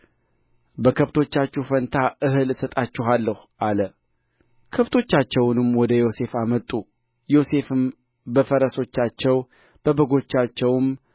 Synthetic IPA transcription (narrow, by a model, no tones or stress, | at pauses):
bəkʰəβt̪ʰo̞t͡ʃːat͡ʃːufənt̪ʰaʔɨɦɨlsət̪ʼat͡ʃːɪɦalːəhʔalə | kʰəβt̪ʰo̞t͡ʃːat͡ʃːɛwnɨmwɔd̪əjo̞se̞famət̪ʼːu | jo̞se̞fɨm | bəfəɾəso̞t͡ʃːat͡ʃːɛw | b̥əbəɡo̞t͡ʃːat͡ʃːɛwm